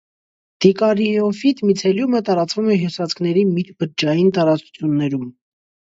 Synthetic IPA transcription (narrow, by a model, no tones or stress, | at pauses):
d̪̥ikɑɾiɔfit̪mit͡sʰɛljumət̪ɑɾɑt͡svumɛɦjusɑt͡skʰnɛɾimit̪bəɾd͡ʒɑjint̪ɑɾɑt͡su̥t͡sʰjunːɛɾum